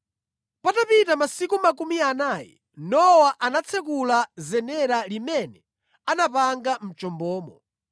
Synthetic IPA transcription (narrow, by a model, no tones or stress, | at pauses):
patapitamasikumakumianaːjɛ | nɔwaʔanat͡sʰɛk̬ulazɛnɛɾalimɛnɛ | anapaŋɡam̩t͡ʃɔmbɔːmɔ